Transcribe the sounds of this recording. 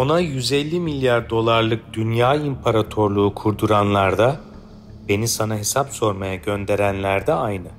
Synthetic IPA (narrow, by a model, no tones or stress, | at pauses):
o̞najyzɛlʲːimilʲjaɾd̪o̞lˠaɾlˠɯk̚d̪̥ynjaːimpʰaɾat̪ʰo̞ɾlˠuːkʰuɾd̪uɾanlˠaɾd̪a | be̞nisanaɦe̞sapso̞ɾmajaɟø̞nd̪e̞ɾænlʲæɾd̪ɛajnɯ